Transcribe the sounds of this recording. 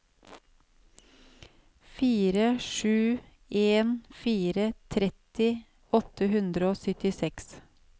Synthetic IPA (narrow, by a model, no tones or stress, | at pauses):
fiːɾəʃʉː | eːnfiːɾət̪ʰɾɛt̪ɪ | ɔt̪əhʉnd̪ɾəoːsœt̪ɪsɛks